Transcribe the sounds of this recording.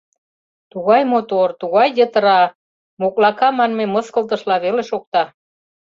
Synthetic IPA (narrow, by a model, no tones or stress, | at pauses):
t̪uɣɑjmot̪ort̪uɣɑjːət̪əɾɑ | moklɑkɑmɑnmeməskə̆lt̪̬ə̆ʃlɑβeleʃok̚t̪ɑ